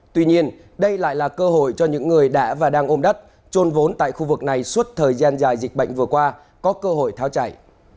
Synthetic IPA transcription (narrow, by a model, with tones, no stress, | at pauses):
t̪wi˧ɲi˧ən | ɗə˧jla̰ː˧˨jlaː˨˩kəː˧ɦo̰˧˨jt͡ɕɔ˧ɲɨ̰˧˥ŋːɨ˨˩əjɗa̰ː˧˥vaː˨˩ɗaː˧ŋʔo˧mɗə˦˥t̚ | t͡ɕo˧nvo˨˦nt̪a̰ː˧˨jxu˧vɨ˨˩k̚na˨˩jswə˦˥t̚t̪ʰəː˨˩jzaː˧nzaː˨˩jzï˨˩k̟̚ɓə̰˧˨jŋ̟vɨ˨˩əkwaː˧ | kɔ˨˦kəː˧ɦo̰˧˨jt̪ʰaː˨˦wt͡ɕa̰˧˨j